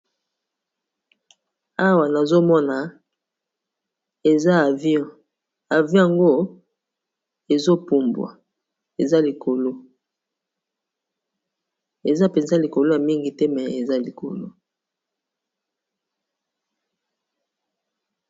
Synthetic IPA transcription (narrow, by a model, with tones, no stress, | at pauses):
a˦wa˨na˨zo˦mɔ˦na˨ | e˨za˦˨vɔ̃˦˨ | a˨vjɔ̃˦ja˨ŋɡo˦ | e˨zo˦pu˨mbwa̰˨ | e˨za˦li˨kʰo˨lo˦ | e˨za˦pe˨nza˦li˨ko˨lo˦ja˨mi˦ŋɡi˨tɛ˦mɛ˨e˨za˦li˨ko˨lo˦